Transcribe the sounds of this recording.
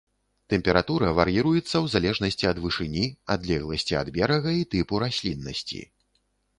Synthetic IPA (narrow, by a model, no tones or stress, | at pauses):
t̪ɛmʲpʲɛɾat̪uɾɐvɐɾjiɾujɛt̪sːɐwzalʲɛʐnɐsʲt͡sʲiɐd̪vɨʂɨnʲiad̪lʲɛɣlˠɐsʲt͡sʲia̰d̪bʲɛɾɐɣɐit̪ɨpuɾasʲlʲinːɐsʲt͡sʲḭ